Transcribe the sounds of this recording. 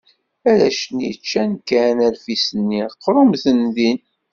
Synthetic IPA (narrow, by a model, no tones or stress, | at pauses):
æɾæʃənjḭt͡ʃːænkænælfisənːiqːɾˤʊmθənðin